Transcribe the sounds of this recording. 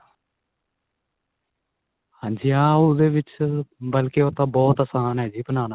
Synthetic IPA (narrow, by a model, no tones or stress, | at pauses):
hãːɲd͡ʒiːãːod̪eːʋɪt͡ʃbəlkeːoːt̪ãːbɔːt̪əsaːnɦɛːd͡ʒiːbənaːna